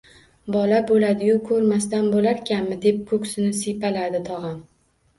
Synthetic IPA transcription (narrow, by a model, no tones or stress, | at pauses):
bɒlabolad̪ɪjʊkʰɵɾmast̪anbolaɾkʲʰanmɪd̪e̞p̚kʰɵkʲsɪnɪsepalad̪ɪt̪ʰɒʁɑm